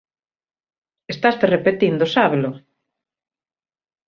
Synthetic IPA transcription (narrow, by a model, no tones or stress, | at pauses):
est̪ast̪erepet̪ind̪osaβelʊ